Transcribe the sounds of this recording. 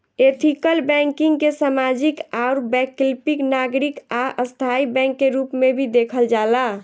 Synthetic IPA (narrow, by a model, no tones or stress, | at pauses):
et̪ʰikəlbɛ̃ŋkiŋɡkesamad͡ʒikaɔɾbɛkilpiknaɡɾikaʔəst̪ʰaibɛ̃ŋkːeɾupmebʱid̪ekʰəld͡ʒala